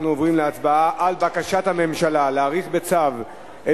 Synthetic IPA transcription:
nuovʁimleat͡sbaaʔalbakaʃathame̞mʃalaleaːʁiχbe̞t͡sav | ʔe

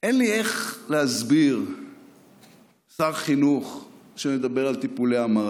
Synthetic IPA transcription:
ʔenlieχleazbiʁ | saʁχinuχʃemed̪abeʁalt̪ipuleamaʁ

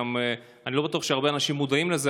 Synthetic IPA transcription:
ame | anilo̞bat̪uaχʃeaʁbeanaʃimːud̪aimleze

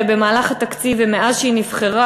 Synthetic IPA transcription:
ebe̞maːlaχat̪akt͡sivemeʔazʃinivχeʁa

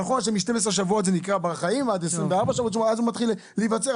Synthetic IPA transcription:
aχo̞nʃemiʃtemes̬ʁeʃ̬avuo̞t̪zenikʁabaχaimvad̪esʁimveaʁbaʃavuot̪̬umazumat̪χil | levat͡se

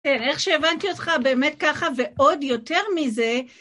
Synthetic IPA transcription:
kene̞χʃeːvantio̞tχabe̞ːmet̚kaχave̞ʔo̞djo̞te̞ʁmize̞

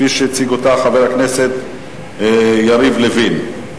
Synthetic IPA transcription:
iʃet͡siɡot̪aχaveʁhakneset̪ | jaɾivlevin

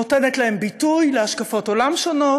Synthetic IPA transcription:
otenetlahe̞mbitujle̞aʃkafo̞to̞lamʃono̞

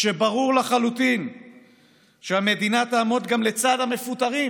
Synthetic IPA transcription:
ʃebaʁuʁlaχalut̪in | ʃeame̞d̪inat̪aːmot̪ɡamlet͡sad̪hame̞fut̪aʁi

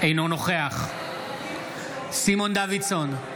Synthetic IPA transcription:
ejno̞no̞χe̞aχ | simo̞nd̪avidson

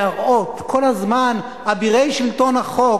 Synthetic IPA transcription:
aʁʔo̞t̪kʰo̞lhazman | abiʁejʃilt̪o̞nhaχo

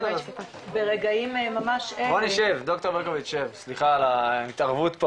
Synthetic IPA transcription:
beʁeɡaimemamaʃeboniʃevd̪ok̚t̪obeʁkoviʃevsliχaːlait̪aʁvut̪po

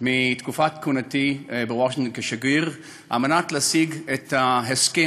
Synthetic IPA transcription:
mit̪kufat̪kunat̪ibewaʃiŋtonkeʃaɡiʁ | ʔamanat̪lasiɡet̪aɦeske

